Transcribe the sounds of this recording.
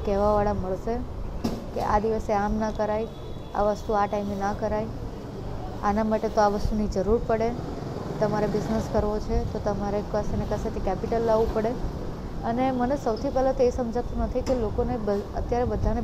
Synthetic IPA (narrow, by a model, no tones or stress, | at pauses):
kɛɦʋaʋaɭaməɭʃe | kḛʔa̰d̪iʋəseamnakəɾaj | a̰ʋəst̪uaʈaimenakəɾaj | a̰namaʈet̪oaʋəst̪unid͡ʒəɾuɾpəɽe | t̪əmaɾebɪznəskəɾʋot͡ʃʰet̪ot̪əmaɾekəsenekəset̪ʰikɛpiʈəlːaʋũpəɽe | ənemənesəwt̪ʰipɛlat̪oesəmd͡ʒʱat̪ũnət̪ʰikelokonebəət̪jaɾebəd̪ʱane